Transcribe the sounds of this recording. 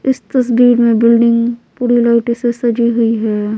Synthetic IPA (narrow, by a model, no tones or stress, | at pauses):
ɪst̪ɐsbiːɾmẽbɪlɖɪ̃ŋɡpuːɾilaʊʈisesɐd͡ʒiɦʊiɦɛː